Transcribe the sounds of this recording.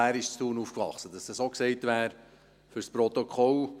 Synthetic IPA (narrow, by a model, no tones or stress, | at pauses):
æːɾɪʃt͡st̪uːnuːfkʋɑ̰χsəd̥̪ɑsd̥̪ɑsokseɪt̪ʋæːɾ | fʏɾspɾɔt̪okʰɔl